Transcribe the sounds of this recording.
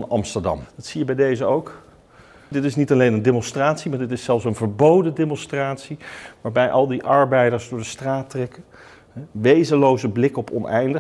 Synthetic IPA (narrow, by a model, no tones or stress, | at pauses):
nɑ̰mstəɹdɑ̰mdɑtsijəbɛjdejzəowk | dɪtɪsnitɑlejnəndemɔnstraːtsimaːɹdɪtɪsɛlˠfsənvəɹbowdədemɔnstraːtsiʋaːɹbɛjʔɑlˠdiʔɑɹbɛjdəɹsdʊːɹdəstraːtrɛkə | ɦʋejzəlowzəblɪkɔpɔ̰nɛ̰jndə